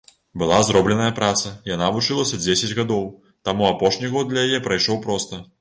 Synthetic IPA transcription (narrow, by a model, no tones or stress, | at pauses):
bɨlˠazɾɔblʲɛnɐjɐpɾat̪sɐjanavut͡ʂɨlˠɐsʲɐd͡zʲesʲɐd͡zʲɣad̪ɔw | t̪amuapɔʂnʲiɣɔd̪̚d̪lʲɐjajɛpɾɐjʂɔwpɾɔst̪ɐ